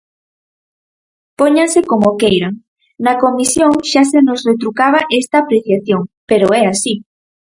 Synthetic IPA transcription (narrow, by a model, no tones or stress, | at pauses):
poɲasekomokejɾaŋ | nɐkomisjoŋʃasenosret̪̬ɾukaβ̞aʔest̪aːpɾeθjaθjoŋpeɾoɛasi